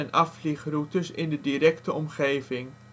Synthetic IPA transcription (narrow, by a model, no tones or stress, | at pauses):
ɛnɑfliχrutəɹsɪndədiɾɛktəɔmχejvɪŋ